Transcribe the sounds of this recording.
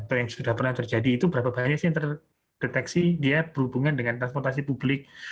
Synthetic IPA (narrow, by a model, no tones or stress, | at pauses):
pajaŋsudahpərnaht̪ərd͡ʒadiːt̪ubəɾapabaɲaksɪjaŋt̪ər | d̥et̪ɛksidiab̥əɾhubuŋandəŋant̪ɾans̬pɔrt̪as̬ipublɪk̚